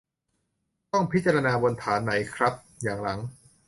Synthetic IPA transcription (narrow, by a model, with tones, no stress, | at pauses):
t̪ɔ˥˩ŋpʰi˦˥t̪̚t͡ɕa˧ɾa˧naː˧bo˧nt̪ʰaː˩˦nːa˩˦jkʰɾa˦˥p̚jaː˨˩ŋɾa˩˦ŋ